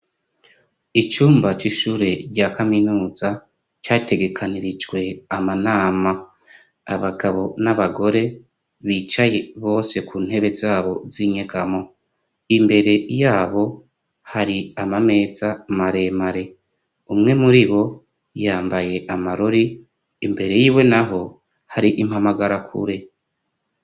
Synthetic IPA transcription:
it͡ʃuːmbat͡ʃiʃuːɾe̞ɾɟaːkaminuːza | t͡ʃaːte̞ɡe̞kʰaniɾid͡ʒɡwe̞amanaːma | a̰βaɡaβo̞naβaɡo̞ɾe̞ | βiːt͡ʃaje̞βo̞ːse̞kuːn̥he̞βe̞zaːβo̞ziɲeɡamo̞ | imbe̞ɾe̞jaːβo̞ | haɾiamame̞ːzamaɾe̞maɾe̞ | umŋe̞muɾiβo̞ | jaːmbaje̞ʔamaɾoɾiː | mbe̞ɾe̞jiːwe̞naɦo̞ | haɾiʔimhamaɡaɾakʰṵɾe̞

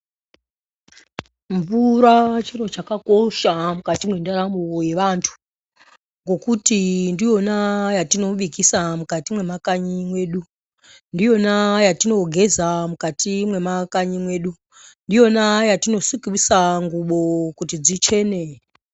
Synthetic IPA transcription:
ɱvuɾat͡ʃiro̞t͡ʃakako̞ʃamukatimwendaɾamoje̞ʋantʰu̥ | ŋɡo̞kutindijo̞najatino̞ʋikisamukatimwe̞makaɲimwe̞ːɗu | ndijo̞najatino̞ɡʱe̞zamukatʰimwe̞makaɲimwe̞ːɗu | ndijo̞najatino̞sukiisaŋɡuɓo̞kutid͡zit͡ʃe̞ːne

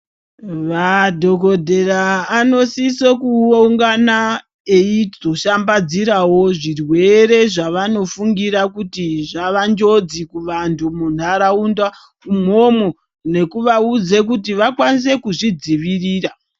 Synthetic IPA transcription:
ʋadʱo̞ko̞dʱeraːno̞sisokuouŋɡana | eioʃambad͡ziɾawo̞ʐirwe̞re̞ʐaʋano̞fuŋɡiɾakutiʐaʋand͡ʒo̞d͡zikuʋantʰumun̤aɾaunda | kum̤o̞mo | ne̞kuʋaud͡ze̞kutiʋakwanis̬e̞kuʐid͡ziʋiriːra

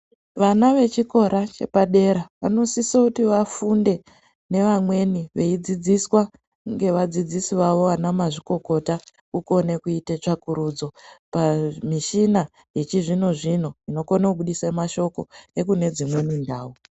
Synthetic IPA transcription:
ʋanaʋe̞t͡ʃiko̞ɾat͡ʃe̞̰paɗe̞ɾaʋano̞sisokutiʋafunde̞ | ne̞ʋamwe̞niʋe̞id͡zid͡ziswa | ŋɡe̞ʋad͡zid͡zisiʋaʋo̞anamaʐiko̞ko̞ta | kuko̞ne̞kuitet͡ʂakuɾud͡zo̞pamiʃina | je̞t͡ʃiʐino̞ʐino̞ino̞konakuɓuɗisemaʃo̞ko̞e̞kune̞d͡zimwe̞nindaːwu

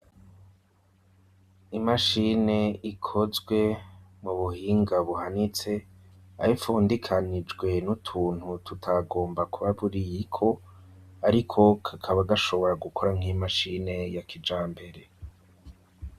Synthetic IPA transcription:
imaʃine̞ikʰo̞zɡwe̞muβuhiːŋɡaβuhanit͡se̞ | a̰ɾifuːndikʰanid͡ʒɡwe̞nutʰuːn̥hututʰaɡo̞ːmbakuβaβuɾijikʰo̞ | aɾikʰo̞kʰakʰaβaɡaʃo̞βo̞ɾaɡukʰoɾaŋ̥imaʃine̞jakʰid͡ʒaːmbe̞ɾe̞

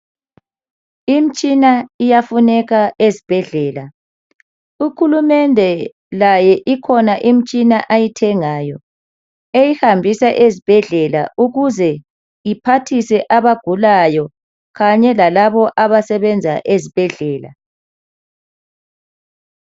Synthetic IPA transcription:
im̩t͡ʃʼinaijafunɛɣaʔezib̥ʱɛɮɛːla | uxulumɛndʱɛ | lajɛʔikʰɔnaʔim̩t͡ʃʼinaʔajitʰɛŋaːjɔ | ejihambʱisaʔezib̥ʱɛɮɛla̰ʔuɣuzɛ | ipʰatʰisɛʔaβaɡ̥ʱulajɔ | ɣaɲɛlalaβɔʔaβasɛβɛnd͡zʱa̰ʔezib̥ʱɛɮɛːla̰

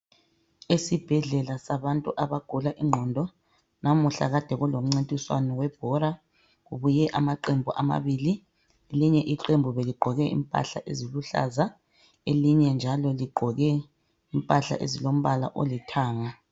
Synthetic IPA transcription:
esib̥ʱɛɮɛlasaβantʼuʔaβaɡ̥ʱulaʔiŋ͡ǃʱɔndʱɔ | nʔamuɬa̰ɣad̥ʱɛɣulom̩ŋ͡ǀintʼiswa̰nɔwɛb̥̚ʱɔɾa | ɣuβujɛʔamaǃembʱuʔama̰βiːli | eliɲɛʔiǃembʱuβeliɡ͡ǃʱɔɣɛʔḭmpʼa̰ɬa̰ʔeziluɬa̰za | eliɲɛnd͡ʒʱalɔliɡ͡ǃʱɔɣɛ | impʼaɬa̰ʔḛzilom̩βala̰ʔo̰litʰaːŋa

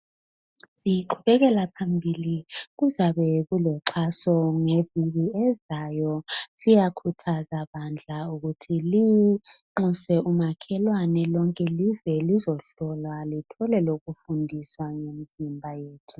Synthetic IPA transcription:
siǃʰuβɛɣɛlapʰambʱiliɣuzaβɛɣulɔǁʰasɔŋeviɣiɛzajɔsijakʰutʰazaβand͡ɮʱauɣutʰiliŋ͡ǃusɛumakʰɛlwanɛlɔŋkʼɛlizwɛlizɔɬɔlwalitʰɔlɛloɣufundʱiswaŋemizimbʱajeːtʰu

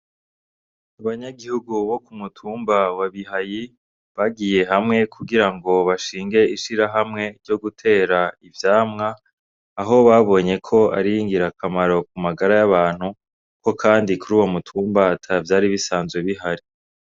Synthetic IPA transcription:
aβaɲaɡihuɡuβo̞kumutʰuːmbawaβiɦaji | βaɡije̞ɦamŋe̞kʰuɡiɾaŋɡo̞βaʃiːŋɡe̞iʃiɾaɦamŋe̞ɾɟo̞ɡutʰe̞ːɾaivjaːmŋaː | ɦo̞βaβo̞ːɲe̞kʰo̞a̰ɾiiŋɡiɾakʰamaɾo̞k̚umaɡaɾajaβaːn̥hu | ko̞kʰaːndikuɾuːwo̞mutʰuːmbatʰavjaːɾiβisaːnzweβiɦaɾi

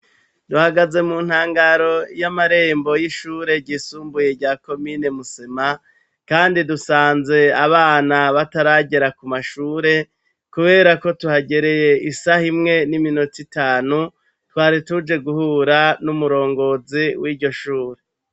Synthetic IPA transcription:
duhaɡaze̞muːn̥haːŋɡaɾo̞jamaɾe̞ːmbo̞jiʃuːɾe̞ɟisuːmbuje̞ɟaːko̞mine̞musema | kaːndidusaːnze̞aβaːnaβataɾaɟe̞ɾakumaʃuːɾe̞ | kuβe̞ːɾako̞tuhaɟe̞ɾe̞je̞isahimŋe̞niminotitaːnu | twaːɾitud͡ʒe̞ɡuhuːɾanumuɾo̞ːŋɡo̞ziwiːɾɟo̞ʃuːɾe̞

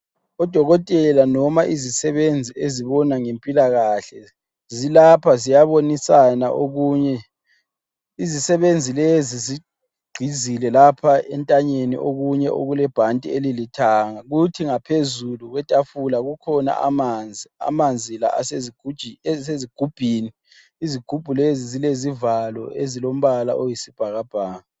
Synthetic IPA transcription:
ɔd̥ʱɔɣɔtʼɛlanɔmaʔizisɛβend͡zʱieziβɔnaŋempʼilaɣaɬɛ | zilapʰazijaβonisana̰ʔoɣuːɲɛ | izisɛβend͡zʱilezizi | ɡ͡ǀʱizilɛlapʰaɛ̰ntʼaɲenḭʔoɣuɲɛʔo̰ɣulɛb̥ʱantʼielilitʰaːŋaɣutʰiŋapʰezuluɣwɛtʼafulaɣukʰɔna̰a̰mand͡zʱia̰mand͡zʱila̰a̰seɡseziɡ̥ʱub̥ʱiːni | iziɡ̥ʱub̥ʱulezizilezivalɔ̰ʔezilom̩βala̰ʔojisib̥ʱaɣab̥ʱaːŋa

